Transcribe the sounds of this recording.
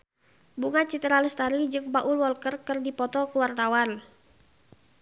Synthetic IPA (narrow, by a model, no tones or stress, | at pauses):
buŋat͡ʃit̪ɾaləst̪aɾid͡ʒɨŋpaʔulwɔlkərkɨrdipɔt̪ɔkuwart̪awan